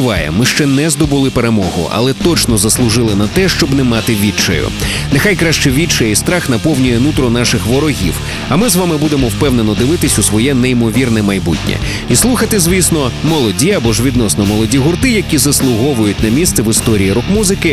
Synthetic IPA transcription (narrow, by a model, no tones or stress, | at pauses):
ʋɑjɛ̰mɪʃt͡ʃɛnɛzd̪ɔbʊlˠɪpeɾemɔɦʊ̰ɐ̰lˠɛt̪ɔt͡ʃnɔzɐslˠʊʒɪlˠɪnɐt̪ɛʃt͡ʃɔbnɛmɑt̪ɪʋʲit͡ʃɐ̰jʊ̰ | nexajkɾaʃt͡ʃɛʋʲit͡ʃɔjɛist̪ɾaxnɐpɔwnʲʊjɛnut̪ɾɔnaʃɪxʋɔɾɔɦʲḭw | ɐmɪzʋamɪbud̪emɔwpɛwne̞nɔd̪ɪʋɪt̪ɪsʲusʋɔjɛneimɔʋʲirnɛmɐjbṵtʲnʲɛ̰ | islˠuxɐt̪ɪzʲʋʲisnɔmɔlˠɔdʲiɐbɔʒʋʲid̪nɔsnɔmɔlˠɔdʲiɦʊrt̪ɪjɐkʲizɐslˠʊɦɔʋʊjʊtʲnɐmʲist̪sɛʋɪst̪ɔɾʲiːɾɔkmuzɪkɪ